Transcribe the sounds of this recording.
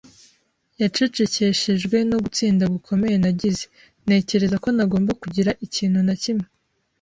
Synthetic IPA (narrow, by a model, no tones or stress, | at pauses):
jat͡ʃut͡ʃece̞ʃeʒɡwe̞no̞ɡut͡siːndaɡukʰo̞me̞jenaɟize | ne̞ːce̞ɾe̞zako̞naɡo̞ːmbakuɟiɾaʔiciːnhunacimŋe